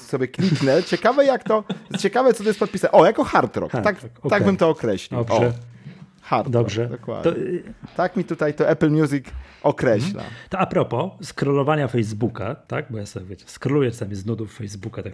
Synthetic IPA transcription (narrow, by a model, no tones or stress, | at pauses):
sɔbʲjɛklʲiknɛt͡ɕɛkavɛjakt̪ɔt͡ɕɛkavɛt̪ɔt̪ɔjɛst̪pɔt̪pʲisaʔɔjakɔxaɾt̪ɾɔ̰k̪ak̪aɡbɘmt̪ɔːkɾɛɕlʲibɔɛ | xaɾt̪d̪ɔbʐɛd̪ɔkwa̰d̪ɔɲɛt̪akmʲit̪ut̪ajt̪ɔʔɛplmʲjuzik | ɔkɾɛɕla̰t̪ɔapɾɔpɔskɾɔlɔvaɲafɛjzbukat̪a̰ɡ̚bɔjasɔvʲjɛt͡ɕɛ̥skɾɔlujɛsamʲiznud̪ufːɛjzbukat̪ak